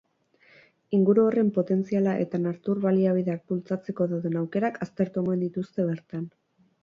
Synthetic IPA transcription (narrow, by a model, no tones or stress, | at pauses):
iŋɡuɾuore̞mpo̞t̪e̞nt͡sialaʔe̞̰t̪anaɾt̪uɾβaliaβ̞iðeak̚pult͡sat͡se̞ko̞ðawðe̞nawke̞ɾakʰast̪e̞ɾt̪ueŋɡoend̪it̪ust̪e̞β̞e̞ɾt̪an